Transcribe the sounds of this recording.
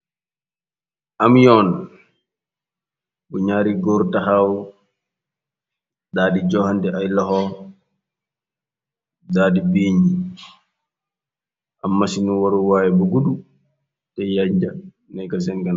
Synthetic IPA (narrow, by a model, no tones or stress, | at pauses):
ʔamjɔn | buɲaːɾiɡɔɾtaɦaw | daːdid͡ʒɔhandɛʔajlɔɦɔ | daːdibiːɲi | ʔamːasinuwaɾuwaːjɛbuɡudu | tɛjaɲd͡ʒa | najkas̬ɛnkan